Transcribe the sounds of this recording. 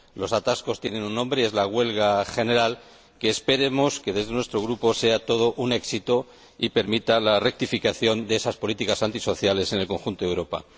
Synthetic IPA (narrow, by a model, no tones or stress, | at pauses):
lo̞sat̪asko̞st̪je̞nẽ̞nunːõ̞mbɾee̞zlaɣwe̞lɣaxe̞ne̞ɾal | ke̞ːspe̞ɾe̞mo̞ske̞ðe̞zðenwe̞st̪ɾo̞ɣ̞ɾupo̞se̞at̪o̞ð̞o̞ʔune̞ksit̪o | ipe̞ɾmit̪alare̞k̚t̪ifikaθjo̞nd̪eesaspo̞lit̪ikasant̪iso̞θjale̞se̞ne̞lko̞ŋxunt̪owɾo̞pa̰